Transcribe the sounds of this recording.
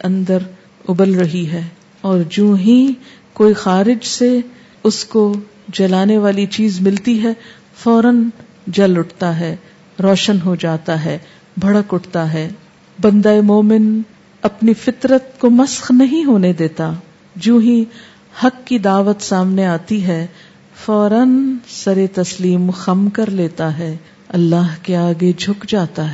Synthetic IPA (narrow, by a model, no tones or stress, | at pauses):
eʔɐ̃nd̪əɾ | ʊbəlɾɐɦiɦɛː | ɔːɾd͡ʒũːɦĩ | koːixaːɾɪd͡ʒse | ʊsko | d͡ʒɐlaːneʋaːlit͡ʃiːzmɪlt̪iɦɛ | fɔːɾən | d͡ʒɐlʊʈʰt̪aɦɛː | ɾɔːʃənɦod͡ʒaːt̪aɦɛː | bʱɐɽəkʊʈʰt̪aɦɛː | bɐ̃nd̪aːemoːmɪn | ɐpnifɪt̪ɾət̪komɐsxnɐɦĩɦoːned̪eːt̪a | d͡ʒũːɦĩ | hɐkːid̪aːʋət̪saːmneaːt̪iɦɛ | fɔːɾənsɐɾet̪ɐsliːmxɐmkɐɾleːt̪aɦɛː | ɐlːaːɦkeaːɡed͡ʒʱʊkd͡ʒaːt̪aɦɛː